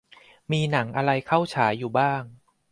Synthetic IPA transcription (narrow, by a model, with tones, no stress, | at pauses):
miː˧na˩˦ŋʔa˧ɾa˧jkʰa˥˩wt͡ɕʰaː˩˦jːuː˨˩baː˥˩ŋ